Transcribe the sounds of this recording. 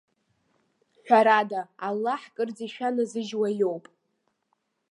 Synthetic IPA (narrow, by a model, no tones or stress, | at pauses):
ħʷᶣaɾadaːlːaħkʼɨrd͡ziʃᶣanɨzɨʒwajowpʼ